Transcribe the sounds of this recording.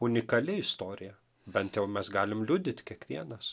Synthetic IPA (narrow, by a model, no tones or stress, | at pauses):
ʊnʲɪkɐlʲɪɪst̪oːɾʲɪjɛ | bʲɛnt̪jɛʊmʲɛsɡɑːlʲɪmlʲud̪ʲɪt̪ʲkʲiɛkʋʲiɛnɐs